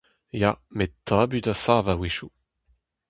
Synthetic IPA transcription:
jamet̪ʰãbydasaːvaweʃu

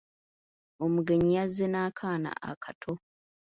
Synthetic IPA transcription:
omuɡe̞ɲijazenaːkʰaːna̰ʔa̰kʰatʰo

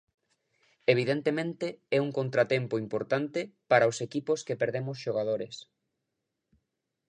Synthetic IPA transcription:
eβ̞iðent̪emẽnt̪eɛuŋkont̪ɾat̪empoimpoɾt̪ant̪ɪpaɾaosekiposkepeɾðemʊsʃoɣað̞oɾes

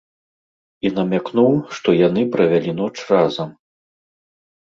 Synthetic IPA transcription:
inɐmʲaknuwʂt̪ɔjanɨpɾɐvʲalʲinɔt͡ʂrazɐm

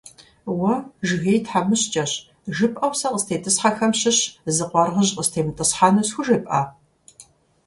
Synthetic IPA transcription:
wɐʒɣejtħamɨɕt͡ʃʼɐɕ | ʒɨpʼʔɐwsɐqəstʰeːtʰʼɨsħaxɐmɕɪɕzɨqʷɔrʁəʑqəstʰeːmtʼɨsħaːnɐsxʷʊʒepʼa̰ː

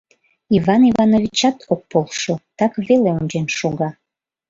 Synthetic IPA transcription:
ivɑnivɑnovit͡ɕɑt̪ok̚polʃot̪ɑkβeleunʲd͡ʑenʃuɣɑ

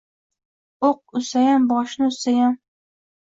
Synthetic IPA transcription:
oq̚ʊsajambɒʃnɪʊsajan

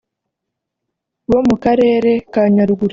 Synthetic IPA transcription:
βo̞mukaɾe̞ːɾe̞kaɲaɾuɡuɾi

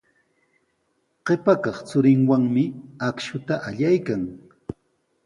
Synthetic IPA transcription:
ɢepakɑχt͡sʊɾɪŋwaŋmɪakʃʊt̪aʔaʎajkaŋ

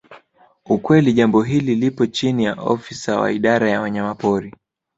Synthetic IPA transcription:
ukwɛliʄambɔɦililipɔt͡ʃinijaʔɔ̰fisawa̰iɗaɾajawaɲamapɔɾi

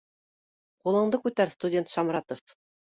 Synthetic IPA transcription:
qulˠɤ̆ɴd̪ɤkʉt̪æɾst̪udʲe̞nt̪ʃɑmɾɑt̪of

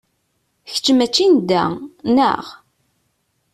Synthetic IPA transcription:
çə̥t͡ʃːəmæt͡ʃːind̪ænə̰ʁ

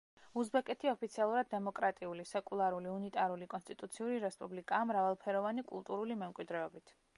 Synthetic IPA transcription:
uzbɛkʼɛt̪ʰiɔpʰit̪sʰialˠuɾad̪̚ːɛmɔkʼɾat̪ʼiulisɛkʼulˠaɾuliunit̪ʼaɾulikʼɔnst̪ʼit̪ʼut̪sʰiuɾiɾɛspʼublikʼaːmɾavalˠpʰɛɾɔvanikʼṵlˠt̪ʼuɾulimɛmkʼwid̪ɾɛɔbit̪ʰ

